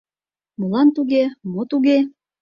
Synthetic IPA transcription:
molɑnt̪uɣemot̪uɣe

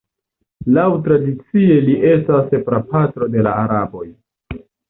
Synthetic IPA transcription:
lawtɾadit͡sie̞liʔe̞stasepɾapatɾo̞de̞la̰ːɾabo̞j

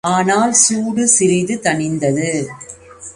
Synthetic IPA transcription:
aːnaːlsuːɽɯsɪɾɪðɯt̪ɐɳɪnd̪ɐðɯ

